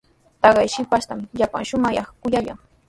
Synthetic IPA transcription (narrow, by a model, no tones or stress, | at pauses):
t̪ɑɢɑjʃɪpaʃt̪amʎapa̰ŋʃʊmɑjɑχkʊʎaʎa̰ŋ